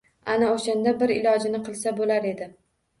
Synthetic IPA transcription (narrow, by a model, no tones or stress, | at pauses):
anaoʃand̪abɪɾɪ̰lɒd͡ʒɪnɪqʰɨlˠsabolaɾe̞d̪ɪ